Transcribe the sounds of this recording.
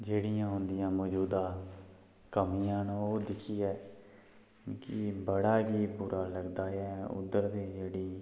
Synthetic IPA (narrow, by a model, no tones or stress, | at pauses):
d͡ʒeːɽɪjãːɦʊnd̪ɪjãːmɔːd͡ʒuːd̪ãː | kəmiːãːnoːd̪ɪkʰiːɛː | kɪbəɽaːɡiːpuːɾʔaːləɡd̪aːɛːʊ̰d̪ːəɾd̪eːd͡ʒeːɽiː